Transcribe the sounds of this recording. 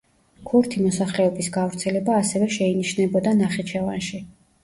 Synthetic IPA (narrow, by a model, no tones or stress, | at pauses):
kʰuɾt̪ʰimɔsaχlɛɔbisɡavɾt̪sʰɛlɛbaːsɛvɛʃɛiniʃnɛbɔd̪anaχɛt͡ʃʰɛvanʃi